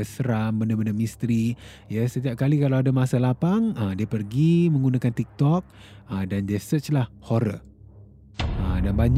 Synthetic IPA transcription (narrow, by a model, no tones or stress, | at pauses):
əsəɾambəndəbəndəmist̪ɾi | jasət̪iap̚kalikalawadamasalapaŋədiəpərɡimə̃ŋɡunakant̪ik̚t̪ɔk̚ | ədandiəsət͡ʃlahhoɾə̰ | ədanbaɲ